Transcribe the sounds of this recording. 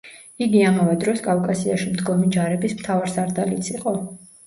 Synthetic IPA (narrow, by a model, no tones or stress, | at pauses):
iɡiamavɛd̪ɾɔskʼafkʼasiaʃimd̪ɡɔmid͡ʒaɾɛbismt̪ʰavaɾsaɾd̪alit̪sʰiqʼɔ